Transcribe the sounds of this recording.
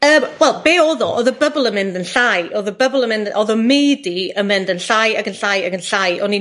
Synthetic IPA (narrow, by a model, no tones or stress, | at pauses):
əːmwɛlˠbeːɔðɔʔɔðəbəblˠəmɪndənɬajɔðəbəblˠəmɪ̃ndɔðɔmejdiəmɪndənɬajaɡənɬaːjaɡənɬajɔni